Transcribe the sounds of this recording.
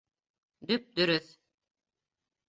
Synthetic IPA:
d̪yp̚d̪yɾyθ

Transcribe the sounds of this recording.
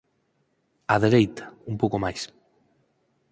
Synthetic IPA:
aðeɾejt̪ḁumpowkomajs

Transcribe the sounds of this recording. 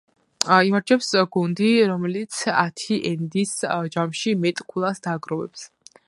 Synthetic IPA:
imaɾd͡ʒʰɛpsɡund̪iɾɔmɛlit̪sʰat̪ʰiʔɛnd̪isd͡ʒamʃimɛt̪ʼkʰulˠasd̪aːɡɾɔvɛ̰ps

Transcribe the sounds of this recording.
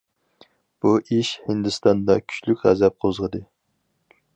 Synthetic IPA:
b̥uʔiʃhɨnd̪ɨst̪ɑnd̪ɑkʲʰy̥t͡ʃlykʲʁæ̰zɛp̚qʰozʁəd̪ɨ

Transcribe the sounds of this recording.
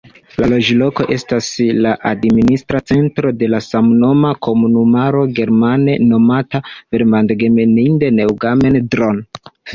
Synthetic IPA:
lalo̞d͡ʒlo̞ko̞ʔe̞staslaʔadministɾat͡se̞ntɾo̞de̞lasamno̞makʰo̞munumaɾo̞ɡe̞ɾmane̞no̞matave̞ɾmandɡe̞meninde̞ne̞wɡame̞ndɾon

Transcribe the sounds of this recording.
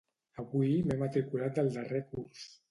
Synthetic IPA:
əβuimɛmət̪ɾikulat̪̚d̪əlˠd̪ərekurs

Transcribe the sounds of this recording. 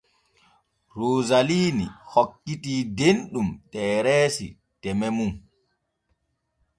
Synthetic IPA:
ɾoːzaliːnḭhokːitiːdenɗumtɛːɾɛːsḭ | tɛmɛmum

